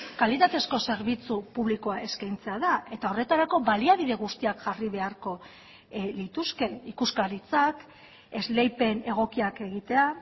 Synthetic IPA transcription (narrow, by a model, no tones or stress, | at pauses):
kalit̪at̪e̞sko̞se̞ɾβit͡supuβliko̞aʔe̞skajnt͡se̞aðae̞t̪ao̞re̞t̪aɾako̞βaliaβ̞iðe̞ɣ̞ust̪iakʝariβ̞e̞aɾko̞ | lit̪uske̞ikuskaɾit͡sak | e̞zle̞jpe̞ne̞ɣ̞o̞kiake̞ɣ̞it̪e̞a